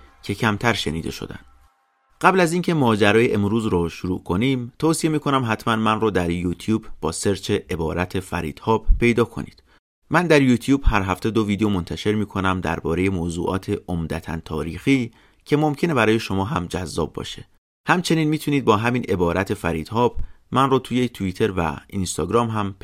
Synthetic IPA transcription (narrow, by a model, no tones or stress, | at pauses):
cʰe̞cʰæmt̪ʰæɾʃe̞̰niːd̪e̞̰ʃo̞̰d̪æ̰nd̪̥ | ɢ̥æblæziːncʰe̞mɒːd͡ʒæɾɒːje̞ʔemɾuːzɾɔːʃuɾṵːkʰo̞niːmt̪ʰoːsije̞miːkʰo̞næmɦæt̪ʰmænmænrɔːd̪æɾjuːt̪ʰjuːbb̥ɒːse̞ɾt͡ʃʰeʔebɒːɾæt̪ʰe̞fæ̰ɾḭːd̪̥hɒːbpʰe̞jd̪ɒːkʰo̞̰nḭːd̪̥ | mænd̪æɾjuːt̪ʰjuːb̥hæɾɦæft̪ʰed̪o̞viːd̪ejomo̞nt̪ʰæʃe̞ɾmiːkʰo̞næmd̪æ̰ɾbɒ̰ːɾe̞je̞moːzṵːʔɒ̰ːt̪ʰeʔomd̪æt̪ʰæ̰nt̪ʰɒ̰ːɾiːxiː | cʰe̞mo̞mcʰene̞bæɾɒːje̞ʃo̞mɒːɦæmd͡ʒæzːɒ̰ːbːɒ̰ːʃe | hæmt͡ʃʰe̞niːnmiːt̪ʰuniːd̪̚bɒːɦæmiːnʔe̞bɒːɾʔæt̪ʰe̞fæɾiːd̪̥hɒːbmænrɔːt̪ʰuːjet̪ʰuiːt̪ʰe̞ɾvæ̰inst̪ɒːɡɾɒːmɦæm